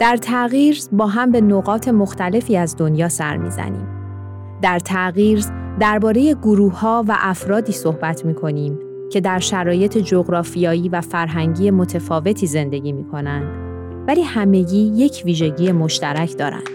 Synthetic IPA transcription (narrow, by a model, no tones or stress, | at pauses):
d̪̥æɾt̪ʰæɣiːɾzbɒːɦæmbe̞noɣɒːt̪ʰe̞mo̞xt̪æle̞fiːæzd̪o̞njɒːsæ̰ɾmḭːzæ̰nḭːm | d̪æɾt̪ʰæɣiːɾz | d̪æɾbɒːɾe̞je̞ɡoɾuːhːɒːvæ̰ʔæfɾɒːd̪iːsohbæt̪ʰmiːkʰo̞niːm | cʰe̞d̪æɾʃæɾɒːje̞t̪ʰe̞d͡ʒo̞ɣɾɒːfijɒːjiːvæfæɾɦæŋɟiːje̞mo̞t̪ʰe̞fɒːve̞t̪ʰiːze̞nd̪e̞ɟiːmiːkʰo̞nænd̪ | væliːhæme̞ɟiːje̞cʰviːʒe̞ɟiːje̞mo̞ʃt̪æɾæcʰd̪ɒːɾæ̰nd̪̥